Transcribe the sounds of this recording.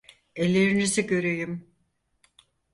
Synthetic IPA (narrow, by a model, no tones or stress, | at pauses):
elʲːeɾiniziɟø̞ɾyjym